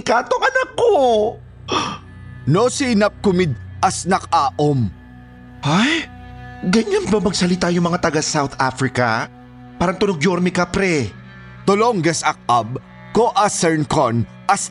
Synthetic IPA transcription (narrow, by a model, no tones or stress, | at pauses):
kaːt̪oŋɐnakːo | nosinɐp̚kʊmɪd̪̚ʔɐsnɐkaːʔom | haj | ɡɐɲanbɐmɐɡsɐlɪt̪ajʊŋmɐŋat̪ɐɡasawt̪afɾɪkɐ̰ | paːɾɐŋt̪ʊnoɡ̚joɾmɪkɐpɾɛ | t̪oloŋɡɐsɐk̚ɐb̚ | koʔɐsɛɹnkon | ʔɐs